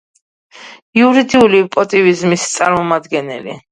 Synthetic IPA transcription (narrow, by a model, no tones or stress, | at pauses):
iuɾid̪iulipʼɔt̪ʼivizmist̪sʼaɾmɔmad̪ɡɛnɛ̰lḭ